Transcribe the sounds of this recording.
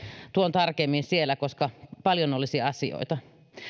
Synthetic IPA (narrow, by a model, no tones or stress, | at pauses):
t̪uont̪ɑrkemːinsielːækoskɑpɑljonolːisiɑsḭo̰it̪ɑ